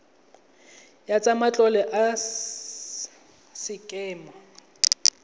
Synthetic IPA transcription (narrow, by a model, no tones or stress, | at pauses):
jat͡sʼamat͡ɬʼɔlɛʔa | sɪkʼɛːmɔ